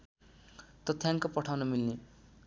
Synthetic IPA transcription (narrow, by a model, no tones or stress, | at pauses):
t̪ʌt̪ʰjaŋkopʌʈʰawnʌmilne